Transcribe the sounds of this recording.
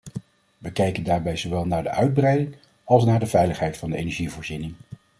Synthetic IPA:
ʋəkɛjkəndaːɹbɛjzowʋɛlˠnaːɹdəʔœɥd̚brɛjdɪŋ | ɑlˠs̬naːɹdəvɛjləχɦɛjtfɑndəḛjnɛɹʒivoːɹzinɪŋ

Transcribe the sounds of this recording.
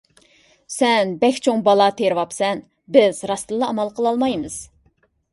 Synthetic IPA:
sɛnbɛkʲt͡ʃʰoŋbɑlˠɑt̪ʰeɾwɑpsɛn | bɪzɾɑst̪ɨlˠːɑːmɑlˠqʰəlˠɑlˠmɑjmɨz̥

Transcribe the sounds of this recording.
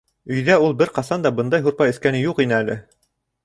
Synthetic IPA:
ɵ̆jðæulˠbɘɾqɑsɑnd̪ɑbɤnd̪ɑjɦuɾpɑjɘ̆θkænɘjuqinɘælɘ

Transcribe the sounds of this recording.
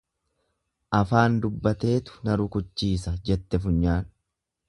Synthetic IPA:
ʔɐfaːnd̪ʊbːɐt̪e̞ːt̪ʊ̥nɐɾʊkʊt͡ʃːiːsɐd͡ʒɛt̪ːɛfʊɲːaːn

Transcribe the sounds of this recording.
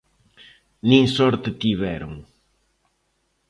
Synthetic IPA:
nĩŋsɔɾt̪et̪iβɛɾʊŋ

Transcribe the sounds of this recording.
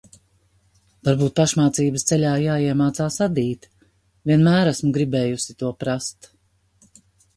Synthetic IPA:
vaɾbuːt̪̚paʃmaːt̪siːbəst̪sɛʎʲaːjaːiɛmaːt̪saːsad̪iːt̪ | vʲiɛnmæːɾæsmuɡɾibɛːjusɪt̪uɔpɾast̪

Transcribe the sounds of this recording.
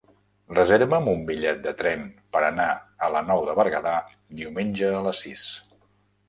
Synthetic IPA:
rəzeɾβəmumbiʎɛt̪̚d̪ət̪ɾɛnpəɾənaələnɔwðəβəɾɣəða | d̪iwmenʲd͡ʒəːləsːis

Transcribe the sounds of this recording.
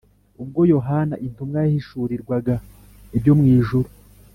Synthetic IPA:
ub̚ɡo̞jo̞ɦanaʔintumɡajahiʃuːɾiɾɡwaɡa | ibjo̞mŋiːʒuɾu

